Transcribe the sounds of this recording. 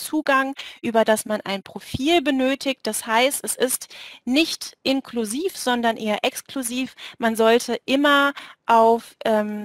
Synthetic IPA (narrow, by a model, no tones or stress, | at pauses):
t͡suːɡaŋʔyːbɐdasmanʔa̰ɪnpʁ̥ofiːlbənøːtʰɪkt̚d̥ashaɪstɛsɪstnɪçtʔɪnkʰluziːfz̥ɔndɐnʔeːɐʔɛkskluziːfmanzɔltʰəʔɪmɐʔaʊfʔɛːm